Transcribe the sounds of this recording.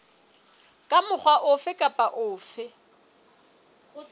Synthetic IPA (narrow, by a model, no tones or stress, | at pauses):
kʼamʊχʰwaʔʊfɪkʼapʼaʔʊːfɪ